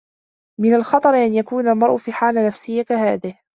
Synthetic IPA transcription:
mɪnalxɑt̪ˤɑɾɪʔanjakuːnalmɑɾˤʔʊfiːħaːlanafsɪjːakahaːðɪh

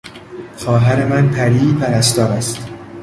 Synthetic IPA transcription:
χɒːɦæɾe̞mænpʰæɾiːpʰæɾæs̬t̪ɒːɾæst̪

